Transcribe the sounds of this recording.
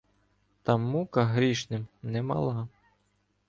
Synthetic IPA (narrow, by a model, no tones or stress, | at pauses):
t̪ɑmːukɐɦɾʲiʃnɪmnɛmɐ̰lˠɑ